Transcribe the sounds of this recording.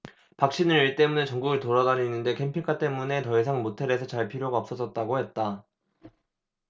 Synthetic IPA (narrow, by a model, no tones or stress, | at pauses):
pak̚ɕ͈inɯɾiɭt͈e̞munet͡ɕʌŋɡuɡɯɭtoɾʌdaɾinːɯnde̞kʰe̞mpʰikʰat͈e̞mune̞tʌisʰaŋmotʰe̞ɾe̞sʰʌt͡ɕaɭpʰiɾjoɡaʌp̚s͈ʌs͈ʌt̚t͈aɡohe̞t̚t͈a